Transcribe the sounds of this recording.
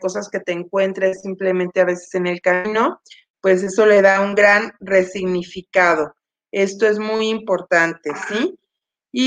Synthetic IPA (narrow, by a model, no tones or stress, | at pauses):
ko̞saske̞t̪eːŋkwe̞nt̪ɾesimple̞mẽnt̪eaβe̞se̥se̞ne̞lkamĩno̞ | pwe̞s̬e̞so̞le̞ðauŋɡɾanre̞siɣnifikað̞o̞ | e̞st̪o̞e̞zmujimpo̞ɾt̪ant̪e̞siː